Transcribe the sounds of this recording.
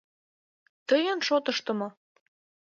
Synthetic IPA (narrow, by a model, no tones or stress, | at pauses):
t̪ɤjənʃot̪əʃt̪ə̆mo